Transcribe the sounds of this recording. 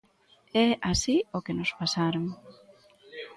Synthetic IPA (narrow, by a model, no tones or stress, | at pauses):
ɛasiokenospasaɾoŋ